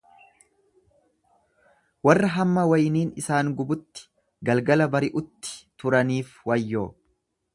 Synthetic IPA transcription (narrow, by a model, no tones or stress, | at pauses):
wɐrːɐɦɐmːɐwɐjniːnɪsaːŋɡʊbʊt̪ːɪ̥ | ɡɐlɡɐlɐbɐɾɪʔʊt̪ːɪ̥t̪ʊɾɐniːfwɐjːoː